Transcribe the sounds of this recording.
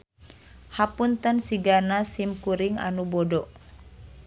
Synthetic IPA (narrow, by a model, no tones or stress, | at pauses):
hapunt̪ənsiɡanasimkuɾiŋa̰nubɔdɔʔ